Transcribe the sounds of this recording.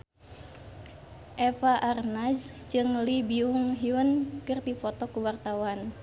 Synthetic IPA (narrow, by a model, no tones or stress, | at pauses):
ʔɛfaʔarnasd͡ʒɨŋlibiuŋɦiunkɨrd̪ipɔt̪ɔkuwart̪awan